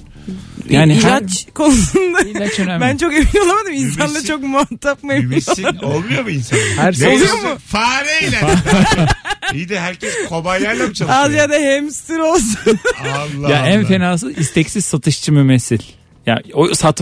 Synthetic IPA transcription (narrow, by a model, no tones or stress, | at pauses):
jaːnilat͡ʃkʰo̞nusund̪ailat͡ʃønbænt͡ʃʰo̞ke̞mino̞lˠamad̪ɯminsanlˠat͡ʃʰo̞k̚muat̪ʰːapmaeminoaolˠmujomuinsahæɾsoujomʊfaːɾejʲɛ | ijd̪ɦæɾcʰɛskʰobajlʲˠaɾlʲabit͡ʃʰaazjad̪ahɛmst̪iɾo̞lˠs̬unlˠːjaʔænfenaːs̬ɯist̪ʰɛcsiz̥sat̪ʰɯʃt͡ʃʰɯmymesilʲ | ja̰osat̪